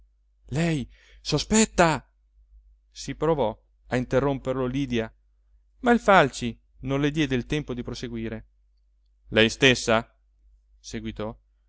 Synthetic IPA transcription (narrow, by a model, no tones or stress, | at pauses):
lɛj | sospɛt̪ːa | sipɾovɔ | aint̪erːomperloliːd̪ja | mailfalt͡ʃi | nonled̪jɛːd̪eilt̪ɛmpod̪ipɾoseɡwiːɾe | lɛjst̪esːa | seɡwit̪ɔ